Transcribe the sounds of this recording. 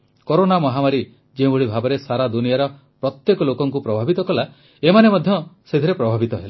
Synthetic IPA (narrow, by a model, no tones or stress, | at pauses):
koɾonamɔɦamaɾi | d͡ʒeũboɭibʱabɔɾesaɾad̪unijaɾɔ | pɾɔt̪jekɔlokɔŋkupɾɔbʱabit̪ɔkɔla | emanemɔd̪ʱjɔsed̪ʱiɾepɾɔbʱabit̪ɔɦela